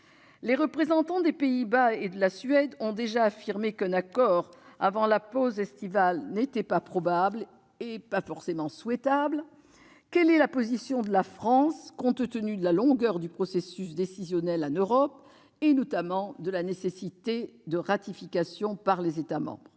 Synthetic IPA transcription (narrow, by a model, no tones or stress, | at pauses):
leʁəpχezɑ̃t̪ɑ̃d̪epeibaed̪əlasɥɛd̪ɔ̃d̪eʒaːfiʁmekɛ̃nakɔʁa̰vɑ̃lapozɛst̪ivalnet̪ɛpapχɔbabl | epafɔʁsemɑ̃swɛt̪abl | kɛlɛlapɔzisjɔ̃d̪əlafχɑ̃skɔ̃t̪ət̪ənyd̪əlalɔ̃ɡœʁd̪ypχɔsesysd̪esizjɔnɛlanøʁɔp | enɔt̪amɑ̃d̪əlanesesit̪ed̪əʁat̪ifikasjɔ̃paʁlezet̪amɑ̰̃bʁ